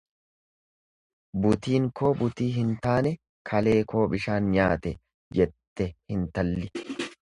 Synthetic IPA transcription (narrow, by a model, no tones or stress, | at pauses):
bʊt̪iːŋkʰo̞ːbʊt̪iːɦɪnt̪aːnɛ | kʰɐle̞ːkʰo̞ːbɪʃaːnɲaːt̪ɛ | d͡ʒɛt̪ːɛhɪnt̪ɐlːɪ